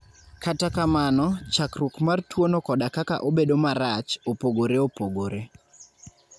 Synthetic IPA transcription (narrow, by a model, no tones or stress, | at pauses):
katakamanɔt͡ʃakrukmartwonokɔdakaka̰ʔobedomaɾat͡ʃopoɡoɾeopoɡoɾe